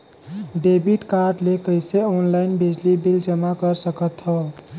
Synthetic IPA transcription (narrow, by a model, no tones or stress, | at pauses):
ɖebiʈkaɾɖlekəjseɔnlajinbʱid͡ʒlibild͡ʒəmakəɾsəkət̪ɦo